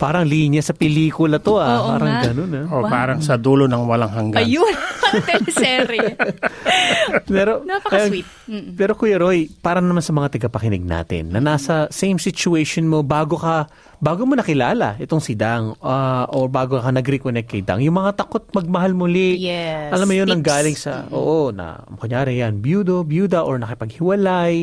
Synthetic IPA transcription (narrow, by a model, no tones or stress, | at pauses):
paːɾɐŋliːnjɐsɐpɛliːkʊlɐt̪oapaːɾɐŋɡɐnonɐopaːɾɐŋsɐd̪uːlonɐŋwɐlaŋɦɐŋɡjo | sɛɾ | mɛɾonapɐɐjowit̪̚ːpɛːɾo̞kʊjɐɾojpaːɾɐnɐmansɐmɐŋat̪ɐɡɐpɐkɪnɪ̰ɡ̚na̰ːt̪ɪ̰nːɐnaːsɐsejmsɪt͡ʃʊɛjʃonmo̞baːɡo̞kɐ | baːɡomonɐkɪlaːlɐ̰ʔɛt̪oŋsɪd̪aŋaʔoɹbaːɡokɐnɐɡɾɛkonɛk̚t̪̚kɐjd̪a̰ŋjʊŋmɐŋat̪ɐkot̪̚mɐɡ̚mɐɦalmʊlɪʔɛɐlammːojonɐŋɡaːlɪŋsɐ̰ʔo̰ːʔonɐ̰mkʊɲaːɾɪjanbjuːd̪objuːd̪ɐʔoɹnɐkɪpɐɡ̚hɪwɐlaj